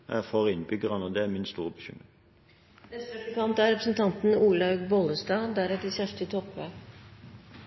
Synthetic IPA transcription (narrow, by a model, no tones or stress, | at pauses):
ɛfɔʁɪnbʏɡəʁɑnəɔd̪ɛæmɪnst̪uːʁəbəçʏ̰mʁɪŋ | nɛst̪ək̪əkɑnt̪æɾɛpɾəsn̩t̪ʰɑnt̪n̩uːlɑʉɡbɔləsd̪ɑːd̪æɾɛt̪əsæʂʈət̪ʰɔpʋeː